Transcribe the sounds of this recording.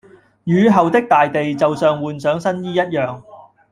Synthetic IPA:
jyː˨˧ɦɐ˨wt̪ɪ˥k̚t̪aː˨jt̪e˨jt͡sɐ˨wsœː˨ŋwuː˨nsœː˨˥ŋsɐ˥njiː˥jɐ˥t̚jœː˨ŋ

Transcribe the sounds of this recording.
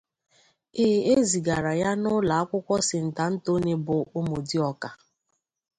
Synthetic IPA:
ɪː˨e˦zi˨ɡa˨ɾa˨ja˦nʊ˦la˨a˦kʷʊ˦kʷɔ˦sɪ˨n̩˨ta˨n̩˦to˦ne˦bʊ˨ʔʊ˦mo˨di˦ɔ˦ka˨

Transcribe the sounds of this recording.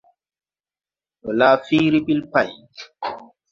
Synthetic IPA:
ɗɔ˨laː˦fiː˦ɾi˦ɓi˦lpa˨j

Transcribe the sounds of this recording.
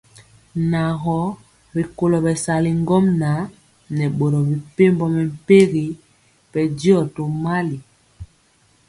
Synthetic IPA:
na˨ɣɔ˨˦ | ɾi˨ko˨lɔ˨bɛ˨sa˨li˨ŋɡɔ˦mna˨˦ | nɛ˨ɓo˨ɾɔ˨bi˨pe˦mbɔ˦mɛ˨m̩˨pe˦ɣi˨˦ | pɛ˨di˦ɔ˨to˨ma˦li˨

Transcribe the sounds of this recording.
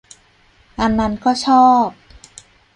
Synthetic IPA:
ʔa˧nːa˦˥nkɔː˥˩t͡ɕʰɔː˥˩p̚

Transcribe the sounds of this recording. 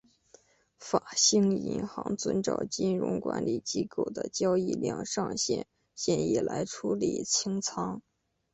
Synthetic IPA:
fa˨˩ɕi˥˩ŋḭ˧˥nxɑ˧˥ŋt͡swə˧˥nʈ͡ʂɑ˨˩ʊt͡ɕi˥nɻʊ̰˧˥ŋkwa̰˧˥nli˨˩t͡ɕi˥ko˥˩ʊd̪ə˦t͡ɕjɑ˥ʊi˥˧ljɑ˥˧ŋʂɑ˥˧ŋɕjɛ̰˥˩n | ɕjɛ˥˩ni˨˩lʔa˧˥ɪʈ͡ʂʰu˥lḭ˨˩t͡ɕʰi˥ŋt͡sʰɑ˥ŋ

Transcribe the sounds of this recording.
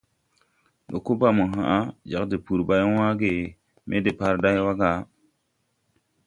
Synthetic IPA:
do˨ko˦ba˦˨mu˨ɦã˨ʔa˦d͡ʒa˨kdi˨pu˨ɾba˨jwã˦ɡe˨ | mʔḛ˦de˨pa˦ɾda˦jwa˦ɡa˨˦

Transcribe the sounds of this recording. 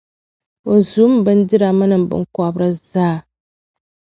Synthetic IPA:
o˨zu˦m˦bɨ˦n˦dɪ˦ɾa˨ma˦nɨ˨m˨bɨ̰˦ŋ˦ka˦bɾɨ˦zaː˦˨

